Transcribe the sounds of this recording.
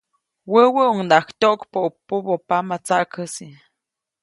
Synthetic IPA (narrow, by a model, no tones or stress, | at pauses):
wəwəoŋd̪akt̪oʔkpoupːubopamat͡saʔkəsi